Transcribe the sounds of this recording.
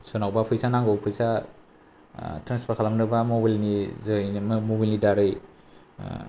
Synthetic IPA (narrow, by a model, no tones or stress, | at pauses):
sɔnawbapʰɯjsanaŋɡowpʰɯjsa | tɾanspʰaɾkʰalamnɯbamobalnizɯmmobilnidaɾɯj